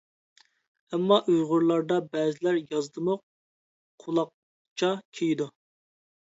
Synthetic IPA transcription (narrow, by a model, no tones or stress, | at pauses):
ɛmːɑʔøjʁʊɾlˠɑɾd̪ɑbɛːzɪlæɾjɑzd̪ɨmʊq̚ | qʰːulˠɑq̚ | t͡ʃʰɑkʲʰejd̪u